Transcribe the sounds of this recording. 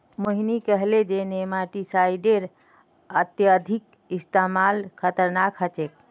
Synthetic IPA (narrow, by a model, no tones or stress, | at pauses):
məɦinikəɦled͡ʒenemaʈisajɖeɾ | ət̪jəd̪ʱik | ist̪amalkʰət̪əɾnakʰɦət͡ʃek̚